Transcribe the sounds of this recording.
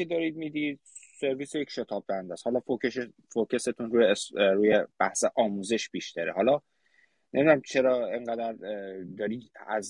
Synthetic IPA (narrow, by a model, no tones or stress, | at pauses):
ed̪ɒːɾid̪̚miːd̪id̪ | se̞ɾviːsejecʃe̞t̪ʰɒːb̚b̪ænd̪æst̪hɒːlɒːfoeʃ | focʰese̞t̪ʰunruːjeɾuːjeb̥æhseʔɒːmuːze̞ʃb̥iːʃt̪ʰæɾeɦɒːlɒː | nḛmid̪unæmt͡ʃʰe̞ɾɒːeŋɢæd̪æɾd̪ɒːɾiæz